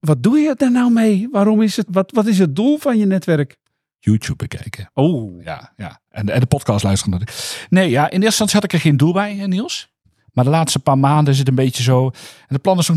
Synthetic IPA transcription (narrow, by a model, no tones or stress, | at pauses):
ʋɔt̚dujədərnawmeːʋaɾomɪsətʋɔtʋɔtɪs̬ət̚dulˠfɔnjənɛtʋɛrk | juːtjup̚bəkʰɛ̰jkəoːja̰ja̰ | ʔɛnɛndəpɔt̚kɑːstlœɥstərəndɔtɪkneːjaʔɪnɪəsəsɑnsjhɑtɪkərxeːndulˠbɛjnilˠs | mardəlaːtstəpaːmaːndənɪs̬ətənbeːtjəzoːɛndət̚plɑnɪsɔx